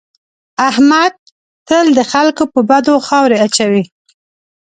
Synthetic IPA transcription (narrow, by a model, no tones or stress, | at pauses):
ahmad̪̚ | t̪əld̪əxalkopəbad̪oxɑwɾeat͡ʃawi